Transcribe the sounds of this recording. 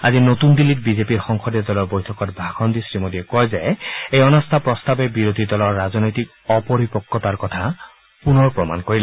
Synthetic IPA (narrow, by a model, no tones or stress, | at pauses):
a̰zinotundilit̚bizepiɹxɔŋxʰɔdɛdɔlɔɹbojtʰɔkɔtbʱaxɔndisɹimodiɛkɔjzɛejɔnɔstʰapɹɔst̪abɛbiɹod̪ʱidɔlɔɹːaznɔjtik | ɔpɔɹipɔkːɔtaɹkɔtʰa | punɔɹpɹɔma̰nkoɹilɛ